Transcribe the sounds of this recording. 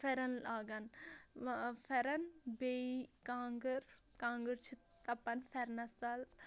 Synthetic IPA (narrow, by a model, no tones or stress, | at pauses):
fɛɾɐnlaːɡɐn | fɛɾɐnbeikaːŋɡɐɾ | kaːŋɡəɾt͡ʃʰi | t̪ɐpɐnfɛɾnɐst̪aːl